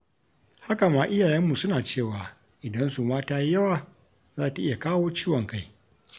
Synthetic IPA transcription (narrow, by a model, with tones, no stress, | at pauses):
ha˦ka˨maː˨ʔɪ˦jaː˨jɛ˦mːu˨sʊ˦naː˨t͡ʃeː˦˨waː˨ | ʔɪ˨dɐ˦nsu˨maː˦taː˦jjɐ˦waː˨ | zaː˦˨ta˨ʔɪ˦ja˨kaː˦woː˦t͡ʃiː˦wɔ˨ŋka˦˨j